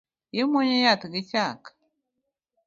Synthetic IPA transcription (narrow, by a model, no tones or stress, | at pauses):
jimoɲajat̪uɡit͡ʃakḁ